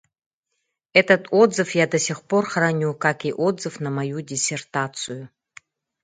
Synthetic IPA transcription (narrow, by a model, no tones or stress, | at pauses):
ɛtʰɐtʰɔdzɨfjadɐsʲiχporχranʲukakiʔodzɨfnɐmajudʲisʲertʰatt͡sʰʼɨju